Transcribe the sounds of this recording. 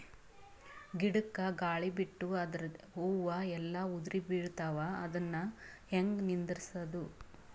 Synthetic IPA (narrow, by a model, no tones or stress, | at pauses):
ɡiɽukːɐɡaːɭibiʈːuɐd̪ɾɐɦuːʋɐɛlːɐud̪ɾibiːɭt̪aːʋaːd̪ɐnːɐheŋɡnind̪ɾisɐd̪u